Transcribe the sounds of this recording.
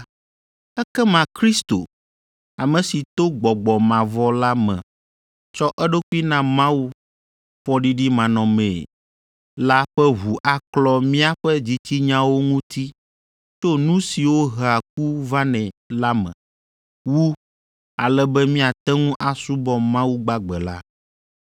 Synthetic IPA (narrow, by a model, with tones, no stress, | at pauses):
ɛ˦kɛ˦mã˨kɾi˦st̪o̰˨ | a˨mɛ̃˨si˨t̪o˦ɡ͡bɔ˨ɡ͡bɔ˨mã˨vɔ˦la˦mɛ̰̃˨ | t͡ʃɔ˦ʔɛ˦ɖo˦ku˦i˦nã˦mã˦wu˦ | ɸɔ˦ɖi˦ɖi˦mã˨nɔ̃˨mɛ̃˨ | la˦ɸɛ˦βu˨ʔa˨klɔ˦mĩ˦a˦ɸɛ˦d͡ʑi˨t͡ɕi˦ɲã˦wo˦ŋũ˦t̪i˦ | t͡ʃo˦nũ˦si˨wo˦ɦa˨k̚u˦va˦nɛ̃˨la˦mɛ̰̃˨ | wu˦ | a˨lɛ˦bɛ˦mĩ˦a˨t̪ɛ˦ŋũ˦ʔa˨su˦bɔ˦mã˦wu˦ɡ͡ba˦ɡ͡bɛ˨la̰˦